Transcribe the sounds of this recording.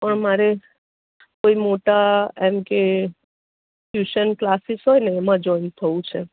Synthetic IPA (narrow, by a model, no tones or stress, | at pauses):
pəɳmaɾe | koimoʈaemke | fjuʃənklasisɦɔjneːmãd͡ʒɔint̪ʰəũt͡ʃʰe